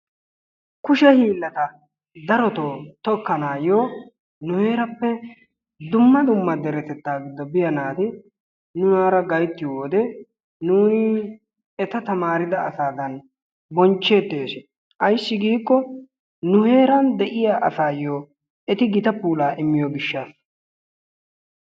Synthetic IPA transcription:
kʊʃɛhiːlːɐt̪ɐ | d̪ɐɾɔt̪oːt̪ɔkːɐnaːjoː | nʊhe̞ːɾɐpːɛ | d̪ʊmːɐd̪ʊmːɐd̪ɛɾɛt̪ɛt̪ːaːɡɪd̪ːɔbɪjɐnaːt̪ɪ | nʊjaːɾɐɡɐjt̪ːɪjoːd̪ɛ | nuːnɪ | ɛt̪ɐt̪ɐmaːɾɪd̪ɐɐsaːd̪ɐn | bɔnt͡ʃːe̞ːt̪ːeːsɪ | ʔɐjsːɪɡiːkːɔ | nʊhe̞ːɾɐnd̪ɛʔɪjaːʔɐsaːjoː | ɛt̪ɪɡɪt̪ɐpuːlaːʔɪmːɪjoɡɪʃːaːs

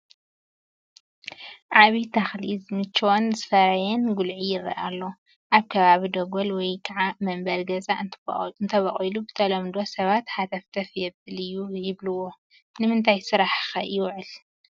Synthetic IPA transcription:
ʕaβit̪ʰaxlizmɨt͡ʃːwonzɨfɐɾajɛnɡulʕijɪrːɐ̰ʔalːo | ʔaβkʰɐβaβid̪oɡolwɔjkʰɐʕamɐmbɐlɡɐzaɨnt̪ʰɐβɐχʼilubɨt̪ʰɐlɐmd̪osɐβat̪ħat̪ʰɐft̪ʰɐfjɛbɨlɨjːujɪβlɨwo | nɨmɨnt̪ʰajsɨɾaħxɐjɪwʕɨl

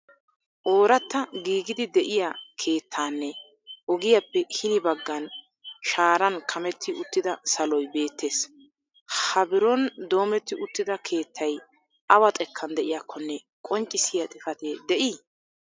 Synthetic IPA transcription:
ʔo̞ːɾɐt̪ːɐɡiːɡɪd̪ɪd̪ɛʔɪjakʰe̞ːt̪ʰːaːnːɛ | ʔɔɡɪjɐpːɛhɪnɪbɐɡːɐn | ʃaːɾɐnkʰɐmɛt̪ːɪʊt̪ːɪd̪ɐsɐlɔjbe̞ːt̪ʰːe̞ːs | hɐbɪɾɔnd̪o̞ːmɛt̪ːɪʔʊt̪ːɪd̪ɐkʰe̞ːt̪ʰːɐj | ʔɐwɐt̪ʼɛkʰːɐnd̪ɛʔɪjakːɔnːɛ | kʼɔnt͡ʃʼːɪsɪjɐt̪ʼɪfɐt̪ed̪ɛʔiː

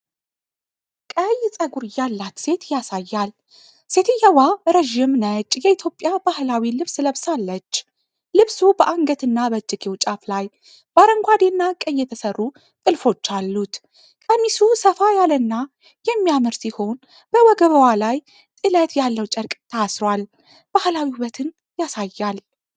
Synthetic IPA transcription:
kʼəjːt͡sʼəɡuɾɨjalːat̪se̞t̪jasajːal | se̞t̪ʰɨjːɛwaɾəʒimnət͡ʃʼjɛit̪ʰjo̞pʼːjabahlawilɨβsləβsalːət͡ʃː | lɨβsubəʔaŋɡət̪ɨnːabəd͡ʒːɨkʰʼewt͡ʃʼaflaj | b̥aɾəŋɡʷad̪enːakʼəjːɛt̪ʰəsərːu | t̪ʼɨlfo̞t͡ʃːalːut̪ | kʼənːisusəfajalənːa | jɛmːijamɨɾsiho̞n | b̥əwɔɡəβəwalaj | t̪ʼɨlət̪jalːəwt͡ʃʼəɾkʼt̪ʰəasɾwal | b̥ahlawiuβət̪ʰɨn | jasajːal

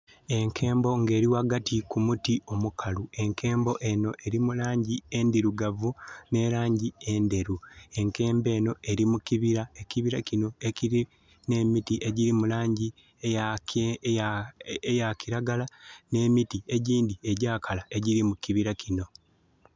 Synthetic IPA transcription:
e̞ŋkʰe̞ːmbo̞ŋɡe̞ːɾiwaːɡatʰikumutio̞mukʰalue̞ŋkʰe̞ːmbo̞ʔe̞no̞ʔe̞ɾimulaːɲɟie̞ndiɾuɡavune̞ɾaːɲɟie̞nde̞ɾue̞ŋke̞ːmbe̞ːno̞e̞ɾimuciβiɾae̞ciβiɾacino̞eciɾi | ne̞mitiʔe̞ɟiɾimulaːɲɟi | ejakiɾaɡalane̞ːmitie̞ɟiːndie̞ɟaːkʰalae̞ɟiɾimukiβiɾacʰino̞

